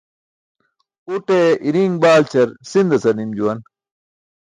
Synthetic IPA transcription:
uʈeiɾiŋɡbaːlt͡ɕʰɐɾsind̪ɐsɐnimd͡ʑuwɐn

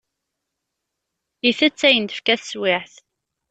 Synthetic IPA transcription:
iθæt͡sːæjənt̪ə̥fkæθswɪħθ

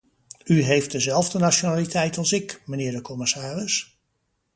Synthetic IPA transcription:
yɦejft̚dəzɛlˠvdənaʃonaːlitʰɛjtɑlˠsɪkmənɪːɹdəkɔmɪsaːrɪs

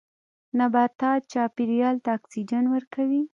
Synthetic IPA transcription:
nabat̪ːɑt͡ʃɑpiɾijɑlt̪aːksid͡ʒanwəɾkawi

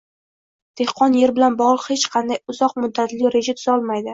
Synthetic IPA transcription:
d̪̥e̞hqʰɒnje̞ɾbɪlanbɒʁlˠɨqhet͡ʃqʰɑnd̪ajʊzɒqmʊd̪ːat̪lɪɾe̞d͡ʒat̪ʰʊ̥zɒlˠmajd̪ɪ

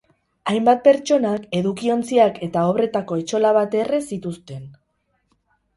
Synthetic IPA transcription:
ajmbat̪̚pe̞ɾt͡ʃo̞nake̞ðukio̞nt͡siake̞t̪ao̞βɾe̞t̪ako̞e̞t͡ʃo̞laβ̞at̪e̞re̞sit̪ust̪e̞n

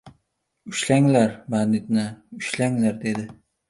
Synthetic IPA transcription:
ʊʃlaŋlaɾmanɪt̪nɪʊʃlaŋlaɾd̪e̞d̪ɪ

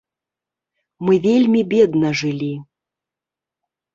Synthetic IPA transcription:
mɨvʲelʲmʲibʲed̪nəʐɨlʲi

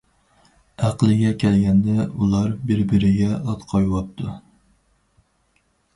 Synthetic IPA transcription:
æqlˠɨɡʲɛkʲʰɛlɡʲɛnd̪ɛulˠɑɾbɪɾbɪɾɪɡʲɛɑt̪qʰɑjwɑp̚t̪ʰu

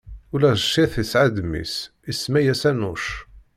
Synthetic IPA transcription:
ulæzʃiθisʕad̪mḭs | ismæjæsænuʃ

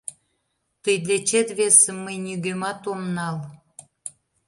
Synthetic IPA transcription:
t̪əjd̪let͡ɕet̪βesəmːəjnʲyɣømɑt̪omnɑl

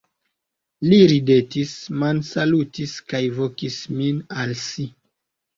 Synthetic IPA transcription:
liɾide̞tismansalutiskajvokisminalsi

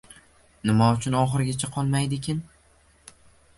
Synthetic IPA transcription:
nɪmaʊt͡ʃʰʊnɒχɨɾɡʲat͡ʃʰaqʰɒlˠmajd̪ɪkʲʰɪn

